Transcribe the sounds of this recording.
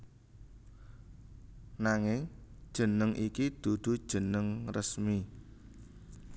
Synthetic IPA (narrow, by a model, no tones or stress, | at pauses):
naŋɪŋd̥ʒ̥ə̤nəŋʔikid̪̥ud̪̥ṳd̥ʒ̥ə̤nəŋrəsmi